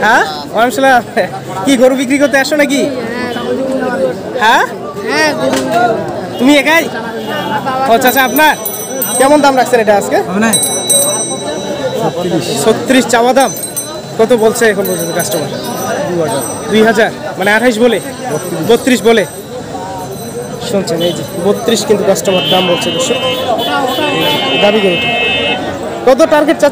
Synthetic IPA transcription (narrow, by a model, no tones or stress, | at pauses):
ha | oamʃalam | kiɡoɾubik̬ɾikoɾt̪̬ːeaʃonak̬i | ha | t̪umiɛkaj | oːat͡ɕʰaapnaɾ | kɛmond̪amɾakʰsʰeneʈaaske | ot̪ːɾisʰot̪ːiɾiʃt͡ɕawad̪am | kɔt̪̬obolt͡ɕʰeɛkʰonbolt͡ɕʰeɡasʈobaɾd̪uaaɾd̪ujɦad͡ʑaɾmaneaʈʰajʃ̬bole | bot̪ːɾiʃbole | ʃunt͡ɕʰenejd͡ʑikubot̪ːɾiʃkint̪ukasʈomaɾd̪ambolt͡ɕʰed̪oʃo | ejd͡ʑid̪abiɡeut̪ʰi | kɔt̪̬oʈaɾɡeʈ̚t͡ɕa